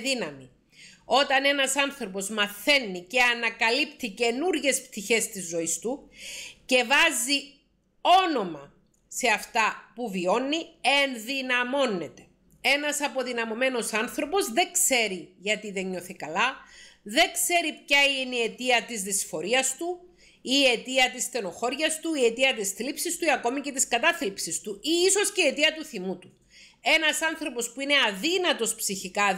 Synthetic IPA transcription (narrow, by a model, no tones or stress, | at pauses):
ðinɐmi | o̞t̪ɐne̞nɐsɐnθɾo̞po̞zmɐθe̞nːice̞ɐnɐkɐlipt̪ice̞nuɾʝe̞spt̪içe̞st̪izːo̞ist̪uce̞vɐzi | o̞no̞mɐ | se̞ɐft̪ɐpuvio̞nːienðinɐmo̞nːe̞t̪e̞̥ | e̞nɐsɐpo̞ðinɐmo̞me̞no̞sɐnθɾo̞po̞zðe̞kse̞ɾiʝɐt̪iðe̞ɲːo̞θikɐlɐðe̞kse̞ɾipçɐinie̞t̪iɐt̪izðisfo̞ɾiɐst̪u | ie̞t̪iɐt̪ist̪e̞no̞xo̞ɾʝɐst̪uie̞t̪iɐt̪isθlipsist̪uiɐko̞mice̞t̪iskɐt̪ɐθlipsist̪uiiso̞sceiet̪iɐt̪uθimut̪u̥ | e̞nɐsɐnθɾo̞po̞spuine̞ɐðinɐt̪o̞spsiçikɐ